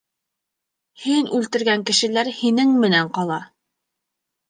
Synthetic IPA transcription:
hinʉlt̪ɘ̆ɾɡæŋkɘ̆ʃɘ̆læɾhinɘŋmɘ̆næɴqɑlˠɑ

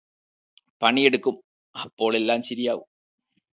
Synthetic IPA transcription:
pɐɳijeɽukːum | ɐpːo̞ːɭe̞lːaːmɕɐɾijaːʋṵm

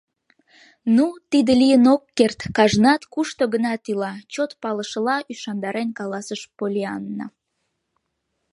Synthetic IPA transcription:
nut̪id̪əlijənokːert̪kɑʒnɑt̪kuʃt̪oɡənɑt̪ilɑt͡ɕot̪pɑləʃəlɑʔyʃɑnd̪ɑɾenkɑlɑsəʃpolʲiɑnːə̰

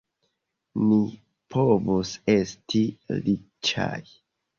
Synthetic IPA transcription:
ni | pʰo̞vose̞stili | t͡ʃa̰j

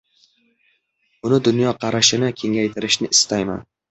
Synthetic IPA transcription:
ʊnɪd̪ʊnjɒqʰɑɾaʃɪnɪkʲʰe̞ŋajt̪ʰɪɾɪʃnɪɪst̪ajma̰n

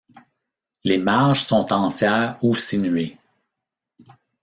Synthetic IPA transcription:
leːmaʁʒsɔ̃t̪ɑ̃t͡sʲjɛːʁusinye

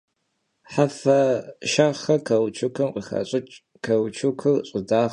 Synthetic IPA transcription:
ħafɐʃaχɐkʰɐwt͡ʃʰʊkʰɨmqʼəxɐ̰ɕʼɪt͡ʃʼ | kʰɐwt͡ʃʰukʰɨrɕʼɪdaː

